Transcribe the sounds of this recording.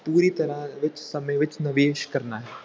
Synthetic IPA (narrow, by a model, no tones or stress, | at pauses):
puːɾiːt̪ɐɾaʋɪt͡ʃsɐməjʋɪt͡ʃnɐʋeːʃkɐɾnaːɦɛː